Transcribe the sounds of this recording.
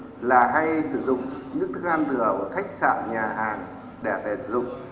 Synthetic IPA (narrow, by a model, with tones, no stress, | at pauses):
laː˨˩ɦaː˧jsɨ˧˩zʊ̰˧˨ŋ͡mɲɨ̰˧˥ŋt̪ʰɨ˦˥ŋʔaː˧mt̪ɨ˧˩əʔə˧˩t̪ʰa˦˥jk̟̚sa̰ː˧˨ɲaː˨˩ɦaː˨˩ŋ | ɗe˧˩fɛ˧˩sɨ̰˧˦zʊ̰˧˨ŋ͡m